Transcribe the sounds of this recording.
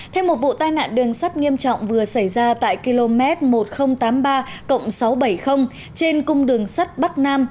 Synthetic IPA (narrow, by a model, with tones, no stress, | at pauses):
t̪ʰɛ˧wmo˨˩t̚vṵ˧˨t̪aː˧jna̰ː˧˨nɗɨ˨˩əŋsa˦˥t̚ŋi˧əmt͡ɕɔ̰˧˨wŋ͡mvɨ˨˩əsa˧˩jzaː˧t̪a̰ː˧˨jki˧lo˧mɛ˦˥t̚mo˨˩t̚xə˧wŋ͡mt̪aː˨˦mɓaː˧ | kə̰˧˨wŋ͡msa˨˦wɓə˧˩jxə˧wŋ͡m | t͡ɕe˧nkʊ˧ŋ͡mɗɨ˨˩əŋsa˦˥t̚ɓa˦˥t̚naː˧m